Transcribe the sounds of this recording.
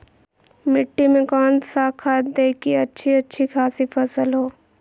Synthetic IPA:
mɪʈːimẽkɔːnsakʰaːd̪eːkiɐtːʃʰiɐtːʃʰikʰaːsipʰɐsəlɦoː

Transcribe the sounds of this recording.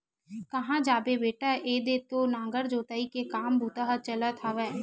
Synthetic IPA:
kəɦãːd͡ʒaːbebeːʈaʔeːd̪eːt̪oːnãːŋɡəɾd͡ʒoːt̪aːikekaːmbʱuːt̪aɦat͡ʃəlat̪ʰaːʋɛː

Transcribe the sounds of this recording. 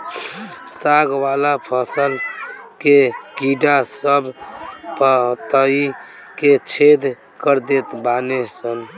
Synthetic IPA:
saɡwalapʰəsəl | keɡiɖasəbpəɦt̪əi | ket͡ʃʰed̪ | kəɾd̪et̪banesən

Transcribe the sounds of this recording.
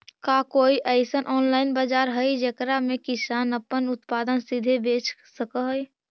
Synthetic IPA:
kakoːiʔəɪsənʔɔːnlaːɪnbaːd͡ʒaːɾɦəid͡ʒekɾamẽkɪsaːnəpːənʊt̪paːd̪ənsid̪ʱebeːt͡ʃsəkəɦəj

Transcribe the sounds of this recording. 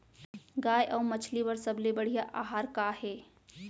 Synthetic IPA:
ɡaːjʔɔːmət͡ʃʰlibəɾsəblebəɽ̤ijaʔaːɦaːɾkaɦɛː

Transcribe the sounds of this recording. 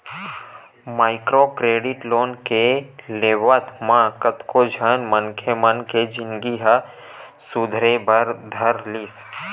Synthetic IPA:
maːɪkɾokɾeːɖɪʈloːnkeleːʋət̪mãkət̪kʰod͡ʒʱənmənkʰemənked͡ʒɪnɡiɦə | sud̪ʱɾebəɾd̪ʱəɾliːs

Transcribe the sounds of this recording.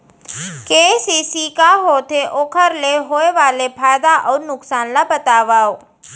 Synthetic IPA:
kesisikaɦot̪ʰeʔokʰəɾleɦojʋalepʰajd̪aʔəwnʊksanlabət̪aʋaw

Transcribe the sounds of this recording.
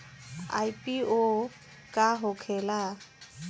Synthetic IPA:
a̰jpʼio | kʼaɦʊkʰɛla

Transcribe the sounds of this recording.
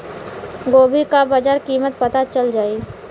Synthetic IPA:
ɡoːbʱikabad͡ʒaːɾkiːmət̪pɐt̪at͡ʃəld͡ʒaːiː

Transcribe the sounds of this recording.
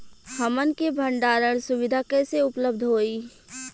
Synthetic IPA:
həmənkebʱəɳɖaːɾəɽ̃sʊwɪd̪ʱakeseʊpləb̚d̪ʱɦoːiː

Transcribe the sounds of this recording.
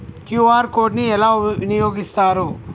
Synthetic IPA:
kjuːaːɾkoːɾʈniɛlaːʋinijoːɡist̪aːɾu

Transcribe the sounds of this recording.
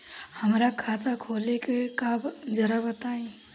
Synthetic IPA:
hɐmɾakʰaːt̪ʰakʰoːlekekabd͡ʒɐɾabɐt̪aːẽː

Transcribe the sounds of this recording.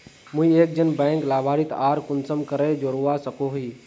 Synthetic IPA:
mũieːk̚d͡ʒənbɛ̃ːŋklaːbʱaːɾit̪aːɾkʊnsəmkəɾed͡ʒoɾuasəkoɦiː

